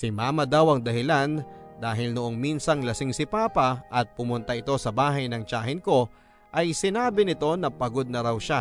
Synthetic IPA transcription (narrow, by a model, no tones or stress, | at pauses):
sɪmaːmɐd̪awʔɐŋd̪ɐhɪlan | d̪aːɦɪlnʊʔo̞ŋminsɐŋlɐsɪŋsɪpaːpɐʔɐt̪̚pʊmʊnt̪ɐʔɪt̪o̞sɐbaːɦɐjnɐŋt͡ʃaːhɪnko̞ | ʔɐjsɪnaːbɪnɪt̪o̞nɐpɐɡo̞d̪̚nɐɾawʃa